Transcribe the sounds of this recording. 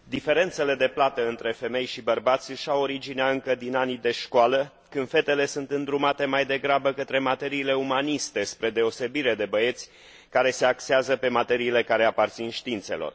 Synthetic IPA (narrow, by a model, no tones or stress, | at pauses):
d̪ife̞ɾe̞nt̪se̞le̞d̪e̞plat̪əɨnt̪ɾe̞fe̞me̞jʃibərbat̪sʲɨʃawo̞ɾid͡ʒineaɨŋkəd̪inanid̪e̞ʃkoalə | kɨnd̪fe̞t̪e̞le̞sunt̪ɨnd̪ɾumat̪e̞majd̪e̞ɡɾabəkət̪ɾe̞mat̪e̞ɾiːle̞umanist̪e̞spɾe̞d̪e̞o̞se̞biɾe̞d̪e̞bəe̞t̪sʲ | kaɾe̞se̞akseazəpe̞mat̪e̞ɾiːle̞kaɾe̞apart̪sinʃt̪iint̪se̞̰lo̰r